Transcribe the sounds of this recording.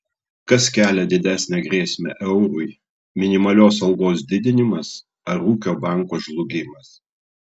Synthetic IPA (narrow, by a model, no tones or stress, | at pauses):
kɐskʲæːlʲɛd̪ʲɪd̪ʲæːˑsʲnʲɛɡɾʲeːsʲmʲɛ̰ʔɛʊɾʊɪ | mʲɪnʲɪmɐlʲoːsɐlˠɡoːsd̪ʲɪd̪ʲɪnʲɪmɐs | ɐɾuːkʲoːbɑˑŋˑkoːʒlˠʊɡʲɪmɐs